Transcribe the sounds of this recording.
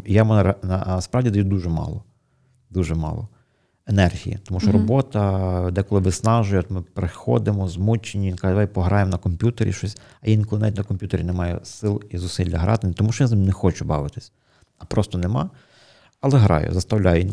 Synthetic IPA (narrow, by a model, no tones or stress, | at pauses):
jamʊnɾnɐ̰spɾɑwdʲid̪ɐjid̪uʒɛmɑ̰lˠɔ | d̪uʒɛmɑ̰lˠɔ̰ | enɛrɦʲḭjḭt̪ɔmuʃt͡ʃɔɾɔbɔt̪ɐd̪ɛkɔlˠɪʋɪsnɑʒʊjɛɔt̪mɪpɾɪxɔ̰d̪ɪmɔzmut͡ʃenʲːijinkɑɛd̪ɐʋajpɔɦɾʔɑjemnɐkɔmpʲjut̪eɾʲḭʃt͡ʃɔsʲ | ɐjʲinkɔlˠɪnaʋʲitʲnɐkɔmpʲjut̪eɾʲinɛmɑjɛ̰sɪlˠizʊsilʲːɐɦɾɑ̰t̪ɪnʲt̪ɔmuʃt͡ʃɔjaznɪmnɛxɔt͡ʃʊbɑʋɪt̪ɪ̥sʲ | ɐpɾɔst̪ɔnemɑ̰ | ɐlˠɛɦɾɑ̰jʊ̰zɐst̪ɐwlʲajʊjin